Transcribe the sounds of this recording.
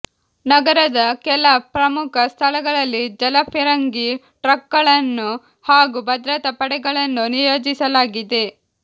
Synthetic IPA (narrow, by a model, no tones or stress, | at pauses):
nɐɡɐɾɐd̪ɐkɛlɐpɾɐmukʰɐst̪ʰɐlɐɡɐɭɐlːid͡ʒɐlɐpʰiɾɐŋɡi | ʈɾɐkːɐɭɐnːu | haːɡubʱɐd̪ɾɐt̪ɐpɐɽɛɡɐɭɐnːunijo̞ːd͡ʒisɐlaːɡid̪e̞